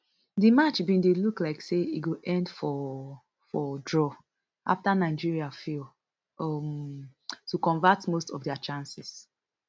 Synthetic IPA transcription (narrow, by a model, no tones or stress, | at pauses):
dimat͡ʃbĩndeluklaɪkseiɡoʔɛ̃ndfɔ | fɔdɹɔ | ʔa̰ftanaɪd͡ʒiɹiafil | ɔm | tukɔ̃nvatmostɔvdɛat͡ʃãnsis